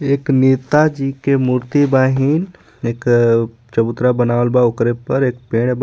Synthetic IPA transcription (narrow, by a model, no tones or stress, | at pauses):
eːknit̪ad͡ʒikemuɾt̪ibaɦin | eːk | t͡ʃəbut̪ɾabənaʋəlbaokɾepəɾeːk̚peɽ̃b